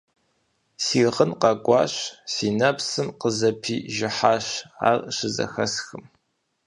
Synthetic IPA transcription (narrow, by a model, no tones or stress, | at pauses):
siːʁənqɑɡʷɑ̰ːɕsiːnɐpsɨmqəzɐpʰiːʒɪħaːɕa̰ːrɕɪzɐ̰xɐsxɨm